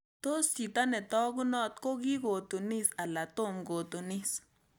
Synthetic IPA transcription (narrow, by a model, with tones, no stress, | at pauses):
t̪o˦st͡ʃi˨t̪a˦nɛ˨t̪ɔ˦ɡu˦nɔ˦˨t̪̚ko˦ɡi˦ɡo˨t̪u˨ni˦sa˨la˨t̪o˦˨mɡo˨t̪o˨ni˦s